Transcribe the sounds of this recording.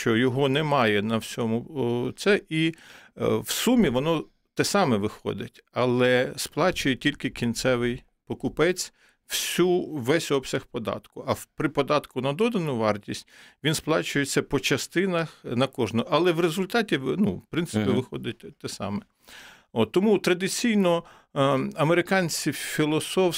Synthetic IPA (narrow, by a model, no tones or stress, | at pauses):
ʃt͡ʃɔjɔɦɔnɛmɑjɛnɐwsʲɔmʊt̪sɛʔi | wsumʲiʋɔnɔ | t̪ɛsɑmɛʋɪxɔ̰d̪ɪtʲɐlˠɛsplˠɑt͡ʃʊjɛtʲilʲkɪkʲint̪sɛʋɪj | pɔkʊpɛt͡sʲ | w̥sʲuʋɛsʲɔpsʲɐxpɔd̪ɑ̰t̪kʊʔɐpɾɪpɔd̪ɑt̪kʊnɐd̪ɔd̪ɐnʊʋɑrtʲisʲtʲʋʲinsplˠɑt͡ʃʊjet͡sʲːɐpɔt͡ʃɐst̪ɪnɐxnɐkɔʒnʊʔɐlˠɛwɾezʊlʲt̪ɑtʲinupɾɪnt̪ɪpʲiʋɪxɔd̪ɪt̚ʲt̪ɛsɑ̰mɛ | ot̪ːɔmut̪ɾɐd̪ɪt͡sʲijnɔ | ɐmeɾɪkɑnʲt͡sʲifʲilˠɔsɔw